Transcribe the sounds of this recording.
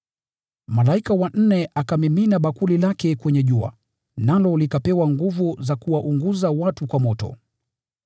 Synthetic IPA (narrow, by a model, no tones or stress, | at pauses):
malaikawan̩nɛʔakamiminaɓakulilakɛkwɛɲɛʄua̰ | nalɔlikapɛwaŋɡuvuzakuwaʔuŋɡuzawatukwamɔtɔ̰